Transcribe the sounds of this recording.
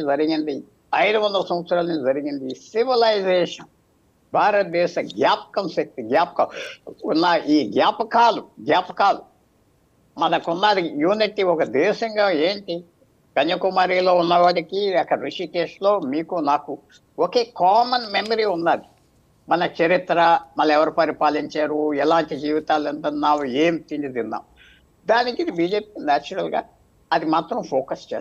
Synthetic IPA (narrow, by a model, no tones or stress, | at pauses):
d͡zɐɾiɡind̪i | ɐjd̪uʋɐnd̪ɐsɐmɐt̪sɾaːlɐnid͡ʒɐɾiɡind̪isiʋilɐjzeːʂɐn | bʱaːɾɐt̪̚d̪ɛːʃɐɡjaːp̚kɐnsep̚ʈ̪ɡjaːpɐkaunːaʔiːɡjaːpɐkaːluɡjaːpɐkaːlu | mɐnɐkunːaːɾijuːniʈiɔkɐd̪ɛːʃɐŋɡaːeːɳʈi | kɐɲːɐkumaːɾiːlo̞ːunːɐʋaːɽikiɐkːɐɾiʃiːkeːʂlo̞ːmiːkunaːku | woke̞ːkaːmɐnmemɐɾiːunːaːd̪i | mɐnɐt͡ʃɐɾit̪ɾɐmɐlːɐɛʋɐɾupɐɾipaːliɲt͡ʃaːɾuɛlaːɳʈid͡ʒiːʋit̪aːlɐnt̪ɐnaːʋueːmt̪iɲd͡ʒid̪inːa̰ːm | d̪aːnikid̪ibiːd͡ʒeːpi̥ːnaːt͡ʃɐɾɐlɡa̰ː | ɐd̪imaːt̪ɾɐmpʰoːkɐst͡ʃeː